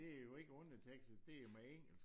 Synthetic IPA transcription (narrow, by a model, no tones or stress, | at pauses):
e̝æɐjo̝e̝ɡ̥əɔ̽nət͡sʰeeɡ̥sisd̥e̝ːɐmæeŋ̰̥l̩s